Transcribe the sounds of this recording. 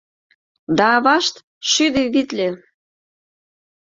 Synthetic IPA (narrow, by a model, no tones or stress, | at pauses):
d̪ɑːβɑʃt̪ | ʃyd̪eβit̪lʲe